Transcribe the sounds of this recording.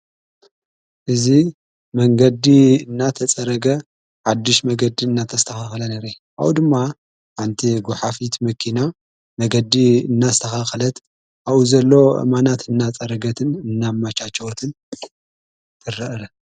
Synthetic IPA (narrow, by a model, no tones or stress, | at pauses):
ʔɨzi | mɐŋɡɐd̪iɨnːat̪ʰɐt͡sʼɐɾɐɡɐ | ħad̪ːɨʃmɐɡɐd̪iɨnːat̪ʰɐst̪ʰɐxaxɐlɐnɐɾe | ʔa̰wud̪ɨmːa | ħant̪ʰiɡʊħafit̪mɐkʰina | mɐɡɐd̪iɨnːazɨt̪ʰɐxaxɐlɐt̪ | ʔaβuzɐlːo̞ʔɨ̰manat̪ɨnːat͡sʼɐɾɐɡɐt̪ʰɨnɨnːamat͡ʃat͡ʃːɐwot̪ʰɨn | t̪ʰɨrɨʔɾɐ